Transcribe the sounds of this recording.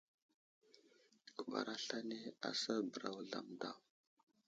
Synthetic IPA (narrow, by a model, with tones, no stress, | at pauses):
ku˨ɓa̰˨ɾa˦ɬa˦ne˦a̰˨sa˦bə˨ɾa˨wɮa̰˨mda˨w